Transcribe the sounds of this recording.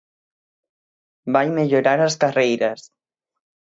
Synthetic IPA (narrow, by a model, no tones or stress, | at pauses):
bajməʎuɾaɾəskərejɾəs